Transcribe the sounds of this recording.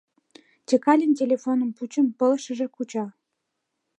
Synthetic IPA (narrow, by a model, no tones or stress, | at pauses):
t͡ɕʲekɑlʲənʲt̬ʲelʲefonəmput͡ɕə̆mpɤ̆lə̆ʃə̆ʒĕkut͡ɕɑ